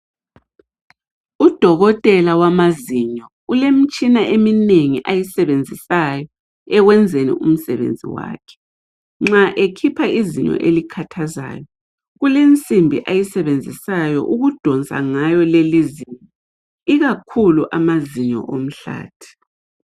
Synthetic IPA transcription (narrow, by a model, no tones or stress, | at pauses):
ud̥ʱɔɣɔtʼɛlawamaziɲɔ | ulem̩t͡ʃʼinaʔemineŋiʔajisɛβend͡zʱisajɔ | ɛɣwɛnd͡zʱenḭʔum̩sɛβḛnd͡zʱḭwa̰ːkʰɛ̥ | ŋ͡ǁaʔekʰipʰaiziɲɔ̰ʔelikʰatʰaza̰ːjɔ | ɣulent͡sʼimbʱḭʔajisɛβend͡zʱisajɔ̰ʔuɣud̥ʱɔnt͡sʼa̰ŋajɔleliziɲɔ | iɣakʰuluʔamaziɲɔ̰ʔom̩ɬa̰ːtʰi̥